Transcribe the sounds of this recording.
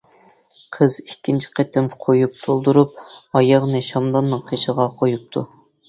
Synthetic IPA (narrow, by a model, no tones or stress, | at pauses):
qʰəzikʲʰːint͡ʃʰi̥qʰet̪ɪmqʰojup̚t̪ʰolˠd̪uɾup̚ɑjɑʁnɨʃɑmd̪ɑnːɨŋqʰeʃəʁɑqʰojup̚t̪ʰu